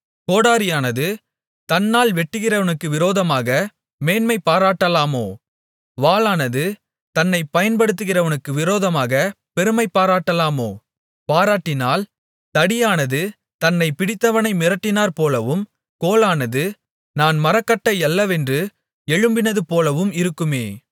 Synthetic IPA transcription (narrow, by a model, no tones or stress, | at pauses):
koːɽaːɾɪjaːnɐðɯ | t̪ɐnːaːlʋɛʈːɯɣɪrɐʋɐnɯkːɯʋɪɾoːðɐmaːɣɐ | meːnmɐɪpːaːɾaːʈːɐlaːmoː | ʋaːlaːnɐðɯ | t̪ɐnːɐɪpɐjɐnpɐɽɯt̪̬ːɯɣɪrɐʋɐnɯkːɯʋɪɾoːðɐmaːɣɐ | pɛɾɯmɐɪpːaːɾaːʈːɐlaːmoː | paːɾaːʈːɪnaːl | t̪ɐɽɪjaːnɐðɯ | t̪ɐnːɐɪpɪɽɪt̪ːɐʋɐnɐɪmɪɾɐʈːɪnaːɾpoːlɐʋɯm | koːlaːnɐðɯ | naːnmɐɾɐkːɐʈːɐɪɛlːɐʋɛndrɯ | ɛɻɯmbɪnɐðɯpoːlɐʋɯmɪɾɯkːɯmeː